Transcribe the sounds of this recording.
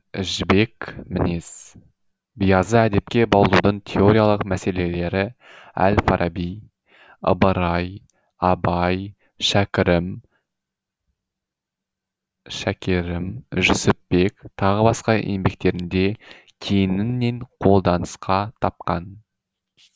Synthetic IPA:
ɪʒbe̞kmɪnes | bijɑzəæd̪e̞p̚kʲe̞bɑlˠlˠud̪əɴt̪ʲʰe̞o̞ɾʲijalˠəqmæse̞le̞le̞ɾɪæ̰lfɑɾʔɑbij | ə̰bəɾɑj | ɑbɑj | ʃækʲɪɾɪm | ʃækʲeɾɪmʒʏsɪpːe̞kt̪ʰɑʁəbɑsqɑʔe̞̰mbe̞k̚t̪e̞ɾɪnd̪e̞ | kʲʰejɪnɪnːe̞ɴqʰo̞lˠd̪ɑnəsqɑt̪ʰɑp̚qɑn

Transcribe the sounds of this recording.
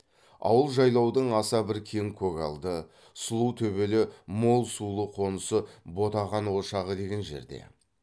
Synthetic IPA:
ɑ̰wəlˠʒɑjlˠɑwd̪əɴɑsɑbɪɾkʲʰeŋkʲʰøkɑlˠd̪ə | sʊlˠuwt̪ʰɵbe̞lɪmo̞lˠsulˠəqʰo̞nəsəbo̞t̪ɑʁɑnwoʃɑʁəd̪e̞ɡʲe̞nʒe̞̰ɾd̪e̞̰

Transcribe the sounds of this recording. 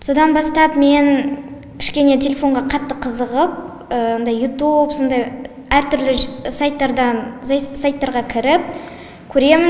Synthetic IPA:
so̞d̪ɑnbɑst̪ɑpme̞n | kʲʰɪ̥ʃkʲe̞ne̞t̪ʲʰe̞lʲe̞fo̞ɴʁɑqʰɑt̪ːəqʰəzəʁəp̚ | əond̪ɑjːut̪upso̞nd̪ɑj | æɾt̪ʰʏɾlɪsɑjt̪ːɑɾd̪ɑnssɑjt̪ːɑɾʁɑkʲʰɪɾɪp̚ | kʲʰɵɾe̞mɪn

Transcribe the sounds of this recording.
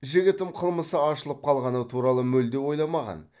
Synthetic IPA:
ʒɪɡʲɪt̪ɪmqʰəlˠməsəɑʃəlˠəp̚qʰɑlˠʁɑnət̪ʰuɾɑlˠəmɵld̪ewo̞jlˠɑmɑʁɑ̰n

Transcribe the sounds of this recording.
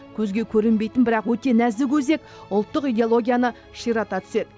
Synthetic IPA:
kʲʰɵzɡʲe̞kʲʰɵɾɪnbe̞jt̪ɪnbɪɾɑqwɵt̪e̞næzd̪ɪkʲʰɵze̞k̚ | ʊlˠt̪ːəqijd̪eolˠo̞ɡʲijanə | ʃijɾɑt̪ɑt̪ʰʏ̥se̞d̪ɪ

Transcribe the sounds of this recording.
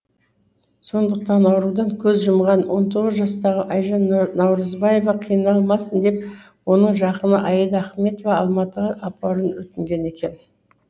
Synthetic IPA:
so̞nd̪əq̚t̪ɑnɑwɾud̪ɑŋkʲʰɵzʒəmʁɑnwo̞nt̪ʰo̞ʁəzʒɑst̪ɑʁəʔɑjʒɑnnɑwɾəzbɑje̞vɑqʰijənɑlˠmɑsənd̪e̞p | wo̞nəɴʒɑqənəʔɑjəd̪æχme̞t̪ovɑɑlˠmɑt̪əʁəʔɑpɑɾənwɵt̪ɪŋɡʲe̞ne̞kʲe̞n

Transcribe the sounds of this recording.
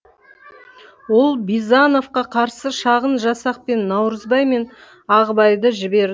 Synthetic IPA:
wo̞lˠbizano̞fqɑqʰɑɾsəʃɑʁənʒɑsɑq̚pe̞nːɑwɾəzbɑjme̞n | ɑʁəbɑjd̪əʒɪbe̞ɾ

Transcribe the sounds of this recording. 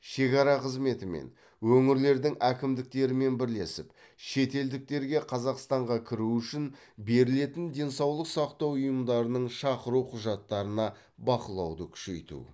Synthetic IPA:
ʃe̞kɑɾɑqʰəzme̞t̪ɪme̞̰n | wɵŋɪɾle̞ɾd̪ɪŋækʲɪmd̪ɪk̚t̪e̞ɾɪme̞nbɪɾle̞sɪp | ʃe̞t̪e̞ld̪ɪk̚t̪e̞ɾɡʲe̞qʰɑzɑqst̪ɑɴʁɑkʲʰɪɾuʏʃɪn | be̞ɾɪle̞t̪ɪnd̪e̞nsɑwlˠəqsɑqt̪ɑwʊjəmd̪ɑɾənəɴʃɑqəɾuqʰʊʒɑt̪ːɑɾənɑ | bɑqəlˠɑ̰wd̪əkʲʰʏ̥ʃe̞jt̪ṵ

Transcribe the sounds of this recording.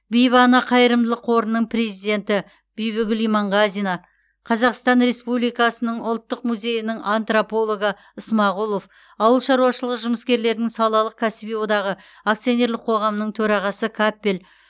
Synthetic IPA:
bijvɑnɑqʰɑjəɾəmd̪əlˠəqʰo̞ɾənːəɴpre̞zijd̪e̞nt̪ɪ | b̥ejβʏɡʲʏlijmɑɴʁɑzinɑ | qʰɑzɑqst̪ɑnre̞spublijkɑsənəɴʊlˠt̪ːəqmuzʲe̞jɪnɪŋɑnt̪ropo̞lˠo̞ɡə | əsmɑʁulˠo̞f | ɑwəlˠʃɑɾuɑʃəlˠəʁəʒʊməskʲe̞ɾle̞ɾd̪ɪŋsɑlˠɑlˠəq̚kʲʰæsɪbijwod̪ɑʁə | akt̪sijone̞ɾlɪq̚ʰo̞ʁɑmnəɴt̪ʰɵɾɑʁɑsəkʰapːel

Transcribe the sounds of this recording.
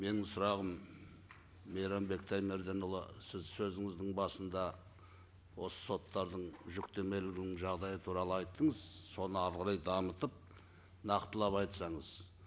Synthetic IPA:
me̞nɪŋsʊɾɑʁəm | ejɾɑmbe̞k̚t̪ʰæjme̞ɾd̪enulˠə̰sɪzsɵzɪŋɪzd̪ɪŋbɑsənd̪ɑ | wo̞sə̥so̞t̪ːɑɾd̪əɴʒʏkt̪e̞me̞lɪɡʲɪnɪŋʒɑʁd̪ɑjət̪ʰuɾɑlˠəɑjt̪ːəɴəzso̞nəɑɾʁɑɾɑjd̪ɑmət̪əp̚ | nɑqt̪əlˠɑpɑjt̪sɑɴəz

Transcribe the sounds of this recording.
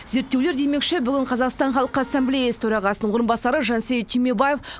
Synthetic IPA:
ze̞ɾt̪ːe̞wle̞ɾd̪e̞jme̞kʃebʏɡʲɪɴqʰɑzɑqst̪ɑɴχɑlˠəqəasːemblʲejasə̥t̪ʰøɾɑʁɑsənəɴwoɾəmbɑsɑɾəʒɑnsejt̪ʰːijmebajef

